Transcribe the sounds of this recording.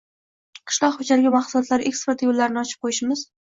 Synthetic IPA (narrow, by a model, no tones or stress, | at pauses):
qʰɨ̥ʃlˠɒqhʊd͡ʒalɡʲamɑχsʊlˠɒt̪laɾʔe̞kspeɾt̪jolːaɾɪnɪɒt͡ʃʰɪ̥p̚qʰojɪʃmɪz